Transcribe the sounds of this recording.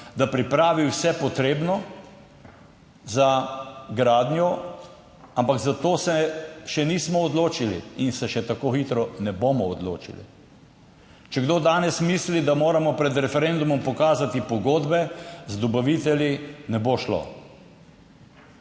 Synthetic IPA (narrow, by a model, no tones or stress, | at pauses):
d̪apɾipɾaːʋiwsɛpɔt̪ɾeːbnɔ | zaɡɾaːd̪njɔ | ampaɡzat̪oːsɛʃɛniːsmɔːd̪loːt͡ʃilḭinsɛʃɛt̪akoxit̪ɾɔnɛboːmɔːd̪lo̰ːt͡ʃḭlḭ | t͡ʃɛɡd̪oːd̪aːnɛsmislid̪amoːɾamɔpɾɛd̪ɾɛfɛɾend̪umɔmpɔkaːzat̪ipɔɡoːd̪bɛzd̪ɔbaʋit̪ɛljinɛboʃlo̰